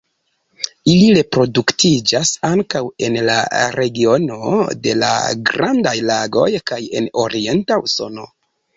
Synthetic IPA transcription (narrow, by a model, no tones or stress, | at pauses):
iliɾe̞pɾo̞duktʰid͡ʒasaŋkawe̞nla̰ɾe̞ɡio̞no̞̰de̞la̰ɡɾandajlaɡo̞jkaje̞̰no̞ɾie̞ntauso̞no̞